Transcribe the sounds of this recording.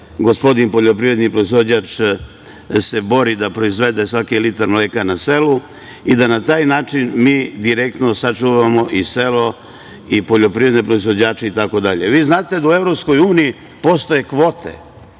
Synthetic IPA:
ɡospo̞d̪inpo̞ʎopɾiɾe̞d̪nipɾoizod͡ʑat͡ʂ | se̞bo̞ɾid̪apɾo̞izʋe̞d̪e̞sʋakilit̪aɾmleːkanase̞lu | id̪anat̪aːjnaːt͡ʂinmiːd̪iɾekt̪nosat͡ʂuʋamo̞ʔise̞lo̞ | ipo̞ʎo̞pɾivɾed̪nepɾo̞izʋo̞d͡ʑaːt͡ʃeit̪ako̞d̪aʎe̞ʋiːznaːt̪e̞d̪aue̞vɾopsko̞juːniji | po̞st̪oje̞kʋo̞t̪ʰḛ

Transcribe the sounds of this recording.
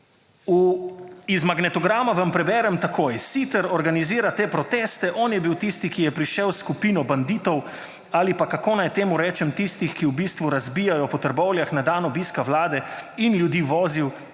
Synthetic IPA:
u | izmaɡnɛt̪ɔɡɾaːmaʋɐmpɾɛbɛːɾɛmt̪akʰoːjsit̪ɛɾɔɾɡaniziːɾat̪eːpɾɔt̪ɛːst̪ɛʔɔːnjɛbiwt̪ist̪ikijɛpɾiʃɛwskupiːnɔband̪iːt̪ɔw | aːlipakakonajt̪eːmuɾɛːt͡ʃɛmt̪ist̪ixkiubist̪ʋuɾazbiːjajɔpɔt̪əɾbɔwljaxnad̪aːnɔbiːskawlaːd̪ɛinlʲjud̪iːʋɔːziw

